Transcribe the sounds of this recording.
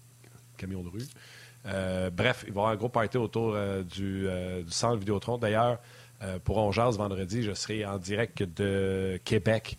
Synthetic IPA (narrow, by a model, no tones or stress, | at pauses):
kʲamjɔ̃d̪əʁy | øbʁɛfilvavwaːʁɛ̃ɡʁopat̪eot̪uːʁød̪yød̪ysɑ̃t̪vid̪eot̪ʁɔ̃d̪ajœːʁ | øpuʁɔ̃ʒazvɑ̃d̪ʁəd͡zziʒəsəʁɛɑ̃d̪ziʁɛk̚t̪d̪əkʲʰebɛk